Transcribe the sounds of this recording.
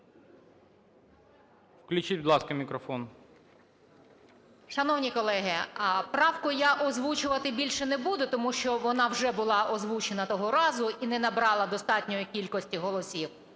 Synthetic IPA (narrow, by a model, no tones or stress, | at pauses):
wklʲut͡ʃitʲbd̪lˠɑskɐmʲikɾɔfɔn | ʃɐnɔwnʲikɔlˠɛɦɪpɾɑwkʊjaʔɔzʋut͡ʃʊʋɐt̪ɪbʲilʲʃɛnɛbud̪ʊt̪ɔmuʃt͡ʃɔʋɔnɑwʒɛbʊlˠɑʔɔzʋut͡ʃenɐt̪ɔɦɔɾɑzʊinɛnɐbɾɑlˠɐd̪ɔst̪ɑtʲnʲɔjikʲilʲkɔsʲtʲiɦɔlˠɔsʲiw